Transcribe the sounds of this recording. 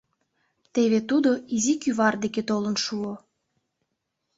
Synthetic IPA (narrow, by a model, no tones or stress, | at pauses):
t̪eβet̪ud̪oizikyβɑrd̪eket̪olənʃuo